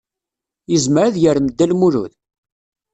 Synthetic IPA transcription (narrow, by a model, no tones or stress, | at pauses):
jəzməɾaðjəɾməd̪ːælmuɾṵð